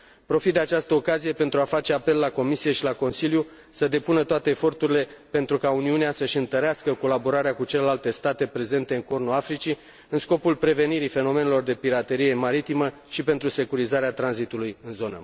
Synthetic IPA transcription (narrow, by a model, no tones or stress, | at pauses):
pɾo̞fit̪̚d̪e̞at͡ʃast̪əo̞kazije̞pe̞nt̪ɾuafat͡ʃe̞ape̞lːako̞misije̞ʃilako̞nsilju | səd̪e̞punət̪oat̪e̞ːfo̞rt̪uɾile̞pe̞nt̪ɾukauniuneasəʃɨnt̪əɾeaskəko̞labo̞ɾaɾeakut͡ʃe̞le̞lalt̪e̞st̪at̪e̞pɾe̞ze̞nt̪e̞ɨŋkornuafɾit͡ʃi | ɨnsko̞pulpɾe̞ve̞niɾife̞no̞me̞nelo̞rd̪e̞piɾat̪e̞ɾije̞maɾit̪imə | ʃipe̞nt̪ɾuse̞kuɾizaɾeat̪ɾanzit̪ulujɨnzo̞nə̰